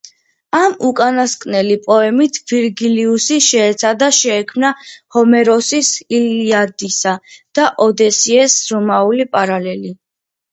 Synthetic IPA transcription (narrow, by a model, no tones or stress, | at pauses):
amukʼanaskʼnɛlipʼɔɛmit̪ʰviɾɡiliusiʃɛːt̪sʰad̪aʃɛːkʰmnahɔmɛɾɔsisiliad̪isad̪̥aʔɔd̪ɛsiɛsɾɔmaulipʼaɾalɛli